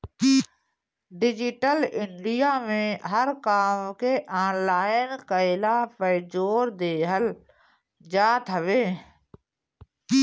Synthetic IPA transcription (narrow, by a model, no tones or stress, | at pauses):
ɖɪd͡ʒɪʈəlɪɳɖijamẽɦəɾkaːmkeʔaːnlaːɪnkəɪlapəːd͡ʒoːɾd̪eːɦəl | d͡ʒaːt̪ɦəʋeː